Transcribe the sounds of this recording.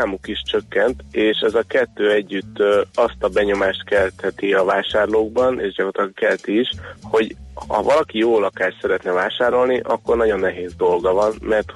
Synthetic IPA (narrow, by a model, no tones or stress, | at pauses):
aːmukiʃt͡ʃø̞kːɛnt̪eːʃɛzɒkɛt̪ːøːɛɟːyt̪ːɒst̪ɒbɛɲo̞maːʃt̪kɛlt̪hɛt̪iɒvaːʃaːrloːɡ̚bɒneːʒɟɒkrot̪lɒɡkɛlt̪iːʃho̞ɟhɒ̰vɒlɒkijoːlɒkaːrsɛɾɛt̪nɛvaːʃaːɾo̞lniʔɒkːo̞rnɒɟo̞nːɛɦeːzd̪o̞lɡɒvɒnmɛrt̪